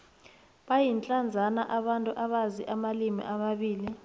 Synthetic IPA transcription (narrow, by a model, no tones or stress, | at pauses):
ɓajint͡ɬʼand͡zʱanaʔaɓantʼuʔaɓaziʔamalimḭʔamaɓiːli